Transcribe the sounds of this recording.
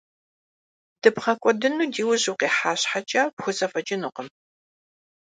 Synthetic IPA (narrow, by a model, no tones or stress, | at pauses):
d̥ɨpχɐkʷʼɔdɨnuːdiːwʊʑuwqeːħaːɕħat͡ʃʼaːpxʷʊsɐfɐt͡ʃʼɪnuːqəm